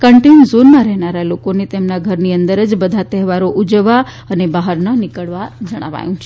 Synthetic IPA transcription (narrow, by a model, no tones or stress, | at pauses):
kəɳʈinzonmãɾɛɦnaɾalokonet̪emnaɡʱəɾniənd̪əɾəd͡ʒbəd̪ʱat̪ɛɦʋaɾoʔud͡ʒəʋa | ənebaɦəɾnənikəɭʋad͡ʒəɽ̃a̰ʋa̰jũt͡ʃʰe